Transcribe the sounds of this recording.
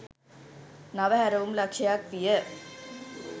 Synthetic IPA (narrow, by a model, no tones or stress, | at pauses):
nɐʋɐɦɐɾɐʋumlɐkʂɐjaːkʋijɐ